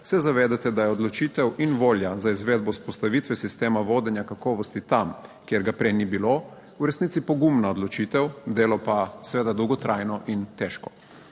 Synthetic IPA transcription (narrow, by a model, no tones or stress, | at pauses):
sɛzaʋeːd̪at̪ɛd̪ajɛɔd̪lɔt͡ʃiːt̪ɛwʔinʋoːljazaizʋeːd̪̚bɔuspɔst̪aʋiːt̪ʋɛsist̪eːmaʋoːd̪ɛnjakakɔːʋɔst̪it̪amkjeɾɡapɾɛjnibilo | uɾɛsniːt̪sipɔɡumnaod̪lɔt͡ʃiːt̪ɛwd̪eːlɔpasʋeːd̪ad̪ɔwɡɔt̪ɾʔajnɔʔint̪ɛʃkɔ